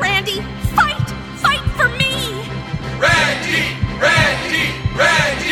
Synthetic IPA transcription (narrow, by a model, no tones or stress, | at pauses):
ɹæ̃ndi | faɪt | faɪtfə˞mi | ɹændiɹændiɹændi